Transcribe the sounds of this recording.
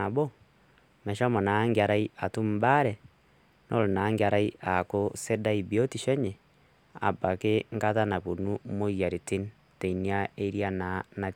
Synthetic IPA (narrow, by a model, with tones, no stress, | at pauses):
a˨bo˦ | mɛ˨ʃa˦mɔ˨na˨˦ŋɡa˨ɾa˦i˦a˨tu˦m̩˦ba˦ɾɛ˨ | nʔo˦ɾo˨naː˨˦ŋɡe˨a˨ɾa˦i˦ʔa˨ko˦se˦da˦i˨bi˨o˦ti˨ʃɛ˦ɲɛ˨ | a̰˨ba˨ke˦ŋɡa˦ta˦na˨βo˨nu˦mo˦ja˨ɾi˨ti˦n | te˨i˨nia˦e˦ɾja˦na˨na˨